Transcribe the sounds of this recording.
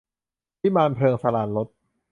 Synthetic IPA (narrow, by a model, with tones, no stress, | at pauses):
i˦˥maː˧npʰlɤː˧ŋsa˧laː˩nlo˦˥t̪̚